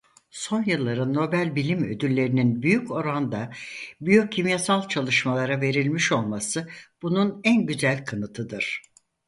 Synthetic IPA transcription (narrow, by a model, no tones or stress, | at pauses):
so̞njɯlˠːaɾɯnːo̞bælʲbilʲimød̪ylʲːe̞ɾininbyjyco̞ɾand̪abyjocʰːimjasalˠt͡ʃʰalˠɯʃmalˠaɾave̞ɾilʲmiʃo̞lˠmasɯb̥ununænɟyzælʲkʰanɯt̪ʰɯd̪ɯɾ̥